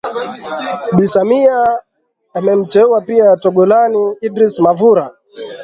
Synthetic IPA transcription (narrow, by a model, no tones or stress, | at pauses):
ɓisamiaː | mɛm̩t͡ʃɛwapiatɔɡɔlaniːdɾismavuɾa